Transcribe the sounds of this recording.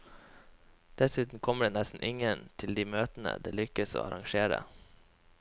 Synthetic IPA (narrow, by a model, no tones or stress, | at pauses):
d̪̥ɛsʉːt̪n̩kʰɔmːəɖeːnɛst̪n̩ʔɪŋənt̪ʰɪld̪iːmøːt̪ən̩ə̰d̪eːlʏkəso̰ːɑɾʔɑŋʃeːɾə̰